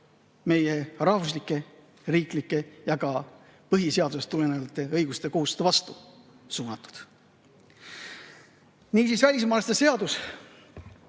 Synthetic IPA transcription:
me̞je̞rɑhvus̬likːˑe̞ | riːklikːˑe̞jɑɡ̥ɑ | pɤɦise̞ɑd̪use̞st̪ːulenevɑt̪ːˑe̞ɤjɡ̥ust̪e̞ko̞hust̪evɑst̪u | suːnɑt̪ːˑu̥d̪̥ | niːsiːsvælʲismɑːlest̪ese̞ɑd̪us

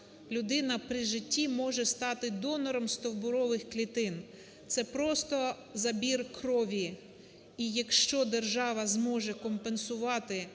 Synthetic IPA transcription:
lʲʊd̪ɪnɐpɾɪʒɪtʲːimɔʒɛst̪ɑt̪ɪd̪ɔnɔɾɔmst̪ɔwbʊɾɔʋɪxklʲit̪ɪn | t̪sɛpɾɔst̪ɔ | zɐbʲirkɾɔʋʲi | ijɐkʃt͡ʃɔd̪erʒɑʋɐzmɔʒɛkɔmpensʊʋɑt̪ɪ

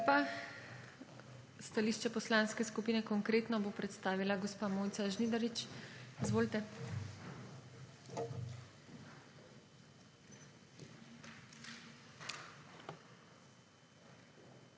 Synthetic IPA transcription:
pa | st̪aliʃt͡ʃɛpɔslãnskɛskupiːnɛkɔŋkɾeːt̪nɔbopɾɛt̪st̪aːʋilaɡɔspaːmoːjt̪saʒnid̪aɾit͡ʃizʋoːlt̪ɛ

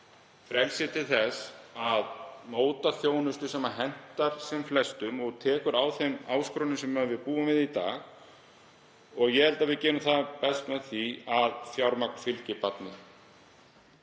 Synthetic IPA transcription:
fɾɛlsjɪt̪ʰɪlθɛsaðmoːwt̪aθjoːwnʏst̪ʏsɛmaɦɛn̥t̪aɾ̥sɛmflɛst̪ʏmɔɣt̪ʰɛːkʏɾaːwθejmaːwskɾɔnʏmsɛmœvɪðpuːʏmvɪðit̪a̰ːɣ | ɔɣjɛhɛlt̪avɪðcɛːnʏmθaðpɛst̪mɛðθiaðθjawɾmakn̥fɪlcɪpat̪nɪ

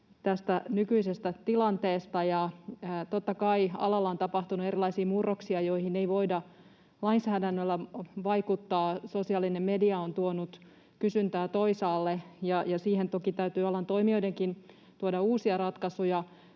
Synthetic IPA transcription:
t̪æst̪ænykyisest̪æt̪ilɑnt̪eːst̪ɑjɑːt̪ot̪ːɑkɑiɑ̰lɑlːɑont̪ɑpɑht̪unue̞ɾilɑisiːmurːoksiɑjo̞ihineiʋo̞idɑ | lɑinsæːdænːølːæʋɑikut̪ːɑːsosiɑːlːinemmediɑont̪uonut̪ | kysynt̪æːt̪o̞isɑːlːejɑjɑsiːhent̪o̞kit̪æyt̪yːolːɑnt̪o̞imioideŋkin | t̪uodɑuːsiɑrɑt̪kɑsujɑ

